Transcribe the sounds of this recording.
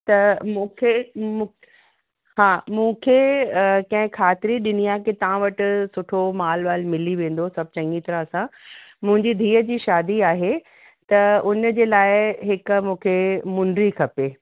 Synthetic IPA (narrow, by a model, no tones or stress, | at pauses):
t̪ɐmũːkʰemũ | ɦãːmũːkʰekɐ̃ɦɪ̃kʰaːt̪ɪɾiɗɪniaːket̪ɐʋãʋɐʈɪ̆sʊʈʰomaːlʋaːlmɪliʋẽːn̆d̪osɐb̚t͡ɕɐ̃ŋɡit̪ɐɾãɐsãmʊ̃ɦɪ̃ɲd͡ʑid̪ʱiːəd͡ʑiːʃaːd̪iaːɦe | t̪ɐʊnd͡ʑeːlaːɪɦɪkmũːkʰemʊ̃ɳɖɾikʰɐpeː